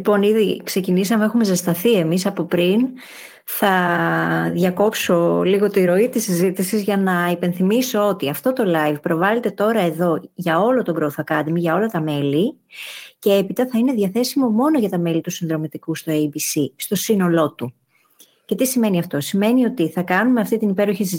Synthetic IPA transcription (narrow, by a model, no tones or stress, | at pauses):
lipo̞niðikse̞cinisɐmeexumezest̪ɐθie̞misɐpo̞pɾin | θɐ | ðʝɐko̞pso̞liɣo̞t̪iɾo̞it̪isːizit̪isizʝɐnɐipe̞nθimiso̞ot̪iɐft̪o̞t̪o̞lɐjvpɾo̞vɐle̞t̪e̞t̪o̞ɾɐe̞ðo̞ʝɐo̞lo̞t̪oɡɾoθɐkɐd̪miʝɐo̞lɐt̪ɐme̞li | ce̞e̞pit̪ɐθɐineðʝɐθe̞simo̞mo̞no̞ʝɐt̪ɐme̞lit̪usinðɾo̞mit̪ikust̪oejbisist̪o̞sino̞lo̞t̪u | ce̞t̪isime̞niɐft̪o̞sime̞nio̞t̪iθɐkɐnumeɐft̪it̪inipe̞ɾoçis